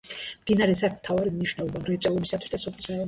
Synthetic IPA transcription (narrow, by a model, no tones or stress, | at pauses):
md̪inaɾɛsat̪ʰmt̪ʰavaɾimniʃnɛlˠɔbamɾɛt̪sʼɛlˠɔbisat̪ʰwi̥sd̪asɔp̪ʰʼsɛ